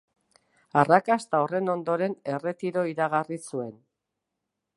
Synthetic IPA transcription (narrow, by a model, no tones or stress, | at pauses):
arakast̪aore̞no̞nd̪o̞ɾe̞ne̞re̞t̪iɾo̞iɾaɣarisue̞n